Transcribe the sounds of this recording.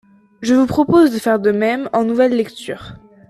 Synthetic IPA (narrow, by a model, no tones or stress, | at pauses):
ʒəvupχɔpozd̪əfɛʁd̪əmɛmɑ̃nuvɛlːɛkt̪yːʁ